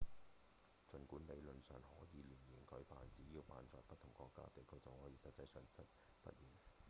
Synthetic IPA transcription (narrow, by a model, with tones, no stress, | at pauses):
t͡ʃɵ˨nkuː˨˥nle˨˧jlɵ˨nsœː˨˩ŋhɔː˨˥jiː˨˧liː˨˩nji˨˩ŋkʰɵ˨˥ɥpaː˨˩nt͡siː˨˥jiː˧wpa̰ː˨˧nt͡sɔː˨jpɐ˥t̚t̪ʰʊ˨˩ŋkɔː˧kːa̰ː˥t̪e˨jkʰɵ˧wt͡sɐ˨whɔː˨˥jiː˨˧sɐ˨t̚t͡sɐ˧jsœː˨˩ŋt͡sɐ˥t̚ | pɐ̰˥t̚jiː˨˩n